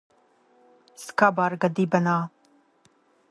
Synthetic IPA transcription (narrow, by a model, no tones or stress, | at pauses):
skabaɾɡɐd̪iːbɐnaː